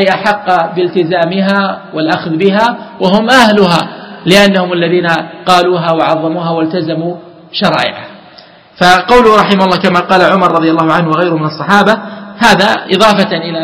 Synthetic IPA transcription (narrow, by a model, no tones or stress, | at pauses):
ʔajʔaħɑqːɑbɪlt̪ɪzaːmɪɦaːwɪlʔaxðbɪɦaːwaɦʊmʔahlʊɦa̰ːlɪʔanːahʊmalːaðiːnaqɑːluːɦaːwaʕɑðˤːɑmuːɦaːwalt̪azamuː | ʃɑɾˤɑ̰ːʔɪ̰ʕa̰h | faqɑwlʊhɾˤɑħɪmahʊlːɑːkamaqɑːlaʕʊmɑɾˤɑðˤjalːɑːhʊʕanhwaɣajɾʊhmɪnɑsˤːɑħɑːbahaːðaʔɪ̰ðˤɑːfaʔɪla